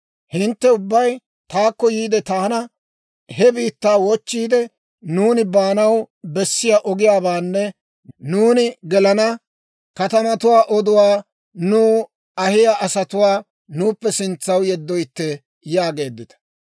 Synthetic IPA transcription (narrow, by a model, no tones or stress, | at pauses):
hɪnt̪ːɛʊbːɐj | t̪aːkːɔjiːd̪ɛt̪aːnɐ | hɛbiːt̪ːaːwɔt͡ʃːiːd̪ɛ | nuːnɪbaːnɐwbɛsːɪjaʔɔɡɪjaːbaːnːɛ | nuːnɪɡɛlɐnɐ | kɐt̪ɐmɐt̪ʊwaːʔɔd̪ʊwaː | nuː | ɐhɪjaʔɐsɐt̪ʊwaː | nuːpːɛsɪnt͡sːɐwjɛd̪ːɔjt̪ːɛ | jaːɡe̞ːd̪ːɪt̪ɐ̥